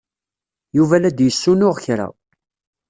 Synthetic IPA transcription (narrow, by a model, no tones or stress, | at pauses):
juvælæd̪jəsːunʊʁçɾa̰